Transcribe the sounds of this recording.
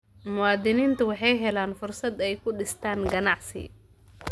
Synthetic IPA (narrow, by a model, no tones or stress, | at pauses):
mʊwɑːd̪ɪniːnt̪ʰɐwɑħɑjɦɛlaːnfʊrsɐd̪ɛjkʰʊɖɪst̪ʰaːnɡɐnɑʕsɪ̰